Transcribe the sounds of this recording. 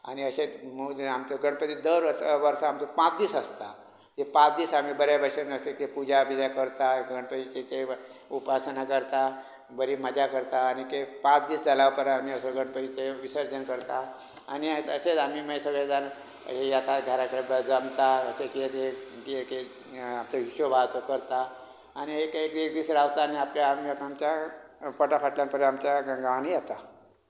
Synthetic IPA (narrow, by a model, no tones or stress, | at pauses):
a̰niəset͡sməamt̪oɡəɽpət̪iːd̪əɾəʋəɾsaamt̪epãt͡sd̪iːsəst̪a | t̪epãt͡sd̪iːsam̤iːbəɾjabʱaʂemiəst̪ekepud͡ʑabid͡zakəɾt̪aɡəɽpət̪it̪it̪eupasnakəɾt̪a | bəɾiːməd͡ʑʱakəɾt̪aːnikepãt͡sd̪iːsd͡zalaʋpəɾamiəsoɡəɽpət̪iːt̪eʋisəɾd͡ʑənkəɾt̪a | a̰niəset͡samiːməesəɡɭed͡zaɾ̰ | ɦejat̪aɡʱaɾakɾebəd͡zəmt̪aəsekiet̪ekeke | amt͡səɦisobʱat̪okəɾt̪aː | niekek̪ek̚d̪iːsɾaʋt̪aːniapljamiaamt͡ɕjapəʈafaʈljampəɾamt͡ɕjaɡəɡaanijat̪a